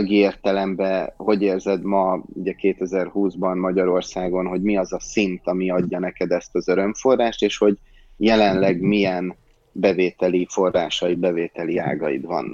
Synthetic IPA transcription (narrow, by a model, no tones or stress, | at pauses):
ɡieːrt̪ɛlɛmbɛho̞ɟeːrzɛd̪mɒuɟɛkeːt̪ɛzɛrhuːzbɒnmɒɟɒɾo̞rsaːɡo̞nɦo̞ɟmiɒzɒsint̪ɒmiɒɟːɒnɛkɛd̪ɛst̪ɒzøɾø̞mfo̞rːaːʃt̪eːʃho̞ɟ | jɛlɛnlɛɡmiɛn | bɛveːt̪ɛlifo̞rːaːʃɒjid̪̚bɛveːt̪ɛlia̰ːɡɒjḭd̪ʋɒ̰nː